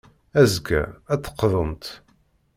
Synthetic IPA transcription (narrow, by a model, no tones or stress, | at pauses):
æzɡæ̰æt͡s̪ːə̥qːðˤənt̪